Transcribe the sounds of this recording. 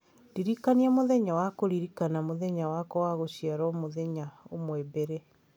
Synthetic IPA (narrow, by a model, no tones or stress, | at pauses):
diɾikaniamoðɛɲawakoɾiɾikanamoðɛɲawakɔwaɣoɕiaɾɔmoðɛɲaomwɛbɛɾe